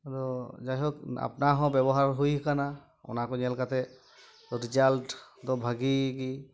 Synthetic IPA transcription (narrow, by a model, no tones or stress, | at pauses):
aɾɔd͡ʒajɦɔka̰pnaɦɔ̃bɛbɔɦaɹɦujɦkana | ɔ̰nakɔɲɛlkat̪ɛ | ɾizaltdɔbʱaɡiki